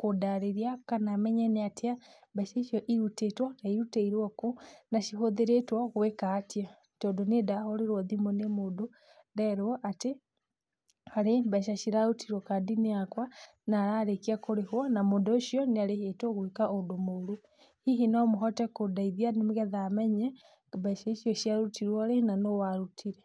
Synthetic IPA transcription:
kodaɾeɾiakanamɛɲɛneatʰia | baʃaiʃjɔʔiɾutetwanaiɾuteiɾwɔkonaʃiɦoðeɾetwaɣwekaːtja | tɔdonedahɔɾeɾwɔðimonemodo | ndɛɾɔʔate | aɾembaʃaʃiɾaɾutʰiɾwɔkadineakwa | naɾaɾekiakoɾehwɔnamodoʃiɔniaɾehetoɣwekaʔodomoɾu | hiɦinamuɦɔtɛkodaiðjanimiɣɛðamɛɲɛ | baʃaiʃioʃiaɾutiɾwaɾenanowaɾutʰiɾe

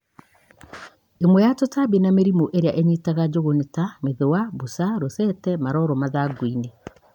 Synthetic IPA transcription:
emwɛjatotabinameɾimoʔeɾeaʔeɲitaɣad͡ʑoɣonetameðewabusaɾosɛtɛmaɾɔɾɔmaðaɡwine

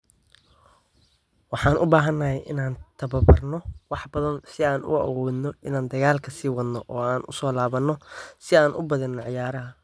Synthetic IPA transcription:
wɑħɑːnʔʊbaːɦɐnːɐɦɛjʔɪ̰naːnt̪ʰɐβɐbɐrnɔwɑħbɐðɐnsɪaːnʔʊ̰ɐ̰wɔːd̪nɔɪnaːnd̪ɐɣaːlkʰɐsiːwɐd̪nɔʔɔːaːnʊsɔːlaːβɐnːɔsɪaːnʔʊbɐðɪnːɔʕɪjaːɾɐɦɐ

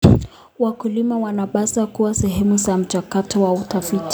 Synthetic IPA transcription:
wakulimawanaɓasakuwasɛɦɛmuzam̩t͡ʃakatɔwautafiti̥

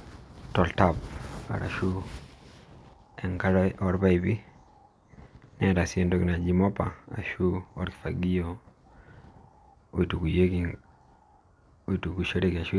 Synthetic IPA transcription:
tɔltapa̰ɾa̰ʃu | ɛŋkaɾɔɾbaibi | nɛɾasiɛndɔknad͡ʒimɔpa̰a̰ʃuɔɾki̥faɡiɔ | oitukujeki | oitukuʃɛɾekiaʃu

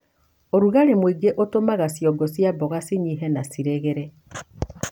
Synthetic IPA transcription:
oɾuɣaɾemwiɡeʔotomaɣasjɔɡɔsjabɔɣasiɲiɦɛnasiɾeɣeɾɛ

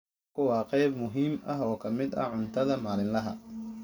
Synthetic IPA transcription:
kʰʊwɑːqɛjbmʊɦiːmɐɦɔːkʰɐmɪd̪ɐ̰ʕʊnt̪ʰɐðɐmaːlɪnlɐɦɐ̰

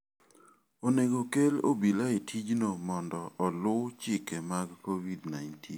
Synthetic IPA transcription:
oneɡokelo̰bilaetʰid͡ʒnomɔndɔʔɔlʊt͡ʃɪkemaɡkowidnajntʰḭn

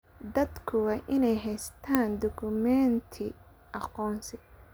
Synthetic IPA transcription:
d̪ɐd̪kʰʊwɑːʔɪnɛjɦɛjst̪ʰaːnd̪ɔkʰʊmɛnt̪ʰɪ | ʔɑqɔːnsɪ

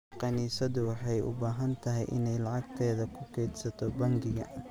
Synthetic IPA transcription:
qɑniːsɐðʊwɑħɑjʔʊ̰baːɦɐnt̪ʰɐɦɛ̰jʔɪ̰nɛjlɑʕɑɡ̚t̪ʰɛːðɐkʰʊkʰɛːd̪sɐt̪ʰɔbɐŋɡɪɣɐ̰

